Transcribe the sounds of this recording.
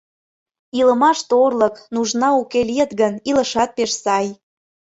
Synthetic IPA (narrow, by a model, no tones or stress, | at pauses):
ilə̆mɑʃt̪orlə̆knuʒnɑukeliet̪ɣənilə̆ʃɑt̪̚peʃsɑj